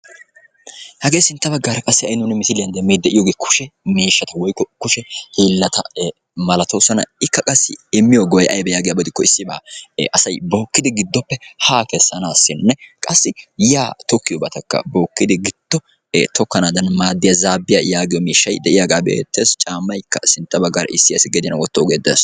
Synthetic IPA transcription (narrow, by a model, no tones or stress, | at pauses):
hɐɡe̞ːsɪnt̪ːɐbɐɡːaɾɐkʼɐsːɪɐjnʊnɪmɪsɪlɪjɐnd̪ɛmːiːd̪ɛʔɪjoɡeːkʰʊ̥ʃɛmiːʃːɐt̪ɐwɔjkːɔkʊʃɛhiːlːɐt̪ɐ | mɐlɐt̪oːsɐnɐ̰ɪkːɐkʼɐsːɪɪmːɪjɔɡɔjʔɐjbɛjaːɡɪjabɔd̪ɪkːɔɪsːɪba̰ːʔɐsɐjbo̞ːkːɪd̪ɪɡɪd̪ːɔpːɛhaːkɛsːɐnaːsːɪnnɛkʼɐsːɪjaːt̪ɔkːɪjɔbɐt̪ɐkːɐ̰boːkːɪd̪ɪɡɪd̪̥ːɔ̰ | t̪ɔkːɐnaːd̪ɐnmaːd̪ːɪjɐzaːbːɪjɐjaːɡɪjɔmiːʃːɐjd̪ɛʔɪjaɡaːbḛːt̪ːeːst͡ʃʼaːmːɐjkːɐsɪnt̪ːɐbɐɡːɐɾɐ̰ʔɪsːɪjɐsɪɡɛd̪ɪnɐwɔt̪ːɔːɡeːd̪ḛs